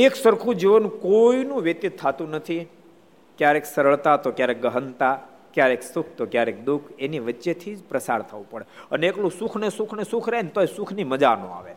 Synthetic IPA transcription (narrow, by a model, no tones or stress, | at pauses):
eksəɾkʰũd͡ʒiʋənũkoinũʋjət̪it̪ʰːat̪ũnət̪ʰi | kjaɾeksəɾəɭt̪at̪okjaɾek̚ɡəɦənt̪a | kjaɾeksʊkʰt̪okjaɾek̚d̪ukʰeniʋətːʃet̪ʰid͡ʒpɾəsa̰ɾt̪ʰəʋũpəɽeəneeklũsukʰnesukʰnesukʰɾent̪oesukʰniməd͡ʒanõ̰a̰ʋe